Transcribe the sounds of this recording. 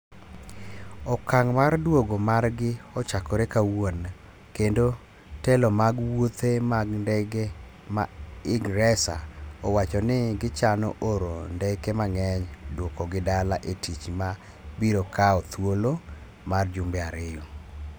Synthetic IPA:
ɔkaŋmardwoɡomarɡɪɔt͡ʃakɔɾekawon | kendo | telɔmaɡwot̪ʰemaɡndɛɡe | ma̰ɪɡɾɛsa̰ɔwat͡ʃɔnɪɡɪt͡ʃanɔ̰ʔoɾondɛkemaŋɛɲdwokɔɡɪdalaʔetʰit͡ʃma | biɾokaɔt̪wolo | mard͡ʒʊmbɛaɾɪjo

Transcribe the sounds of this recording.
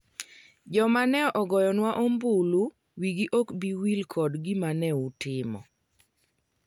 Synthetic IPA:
d͡ʒɔmanɛɔʔɔɡɔjɔnwaʔombulu | wiɡiʔɔkbiwilkʰɔdɡimanɛutɪmɔ̰

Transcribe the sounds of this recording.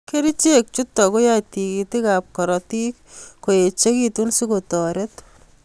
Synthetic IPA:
keɾit͡ʃek̚t͡ʃutːɔkojatikitikap̚kɔɾɔtikkːojet͡ʃekitunsikotɔɾet

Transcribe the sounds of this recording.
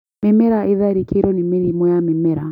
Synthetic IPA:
mɛmɛɾaʔɪðaɾikʰiɾɔnimɛɾimwɔamimɛɾa

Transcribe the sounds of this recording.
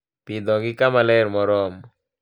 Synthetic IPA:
pid̪ɔɡikamalɛɾmɔɾɔm

